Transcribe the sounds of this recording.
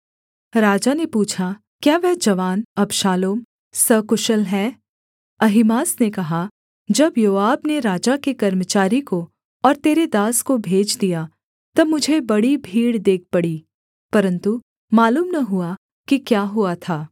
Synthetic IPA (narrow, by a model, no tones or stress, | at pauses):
ɾaːd͡ʒanepuːt͡ʃʰa | kjaːʋɛɦd͡ʒɐʋaːnɐbʃaːloːm | sɐkʊʃəlɦɛː | ɐɦɪmaːsnekɐɦa | d͡ʒɐbjoːaːbneɾaːd͡ʒakekɐɾmət͡ʃaːɾiko | ɔːɾt̪eːɾed̪aːskobʱeːd͡ʒd̪ija | t̪ɐbmʊd͡ʒʱebɐɽibʱiːɽd̪eːk̚ʰpɐɽiː | pɐɾə̃nt̪u | maːluːmnɐɦua | kikjaːɦuat̪ʰaː